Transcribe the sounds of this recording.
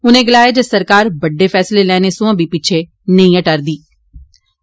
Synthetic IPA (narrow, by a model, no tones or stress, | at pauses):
ʊnẽːɡɪlaːeːd͡ʒəsəɾkaːɾbəɖːeːpʰɛːsleːlɛːneːsʊ̃ãːbʱiːpɪt͡ʃʰeː | nəĩːəʈəɾd̪iː